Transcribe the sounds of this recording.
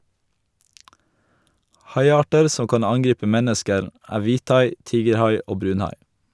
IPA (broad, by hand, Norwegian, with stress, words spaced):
ˈhɑɪˌɑːʈəɾ ˈsɔ ˈkɑn ˈɑŋˌɡɾiːpə ˈmɛnəskəɾ ˈæː ˈʋiːˌtɑɪ ˈtiːɡəɾˌhɑɪ ˈoː ˈbɾʉːnˌhɑɪ